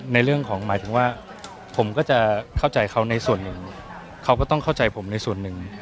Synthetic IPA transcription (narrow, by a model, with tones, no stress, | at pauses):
na˧jɾɯ˥˩əŋkʰɔː˩˦ŋmaː˩˦jt̪ʰɯ˩˦ŋwaː˥˩ | pʰo˩˦mkɔː˥˩t͡ɕa˨˩kʰa˥˩wt͡ɕa˧jkʰa˦˥wna˧jsu˨˩ənːɯ˨˩ŋ | kʰa˦˥wkɔː˥˩t̪ɔ˥˩ŋkʰa˥˩wt͡ɕa˧jpʰo˩˦mna˧jsu˨˩ənːɯ˨˩ŋ